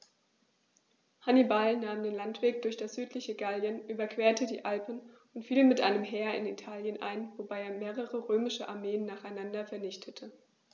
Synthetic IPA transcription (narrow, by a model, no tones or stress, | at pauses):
hanibalnaːmdeːnlantv̥eːk̚d̥ʊɐçd̥asz̥yːtʰlɪçəɡaljənʔyːbɐkv̥eːɐtʰədḭːʔalpn̩ | ʊntfiːlmɪtʔa̰ɪnəmɦeːɐɪ̰nḭtʰaːljənʔa̰ɪnvobaɪeːɐmeːʁ̞əʁəʁøːmɪʃəʔa̰ɐmeːənːaːχaɪnandɐfɛɐnɪçtʰətʰə